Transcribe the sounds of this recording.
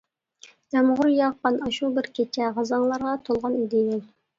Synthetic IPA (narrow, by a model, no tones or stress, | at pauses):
d̪̥ɛmʁʊɾjɑʁqɑnɑʃubɪɾkʲʰet͡ʃʰɛʁɑzɑŋlˠɑɾʁɑt̪ʰolˠʁɑnid̪ɪd̪ɪl